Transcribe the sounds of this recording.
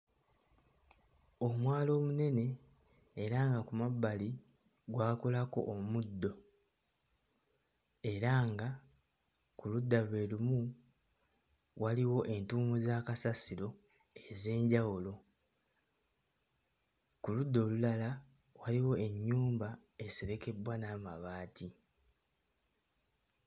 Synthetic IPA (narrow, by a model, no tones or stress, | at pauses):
o̞mwaːlo̞ːmune̞ne̞ː | ɾaːŋɡakumabːali | ɡwaːkolako̞̰ʔːmudːo̞ | e̞ɾaːŋɡa | kuludːalwe̞ːlumu | waliwo̞ʔe̞ntuːmuzaːkasasiɾo̞ | e̞ze̞ːɲɟawulo̞ | kulud̪ːo̞ːlulala | waliwo̞e̞ɲːuːmba | e̞se̞ɾe̞ke̞bwanaːmaβaːtʰi